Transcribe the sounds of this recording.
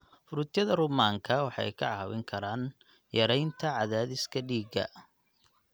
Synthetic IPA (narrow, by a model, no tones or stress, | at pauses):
fʊɾʊt̪ʰjɐðɐrʊmaːŋkʰɐwɑħɑ̰jkʰɐ̰ʕɑːwɪ̰ŋkʰɐɾaːn | jɐɾɛjnt̪ʰɐʕɑðaːðɪskʰɐɖiːɡɐ̰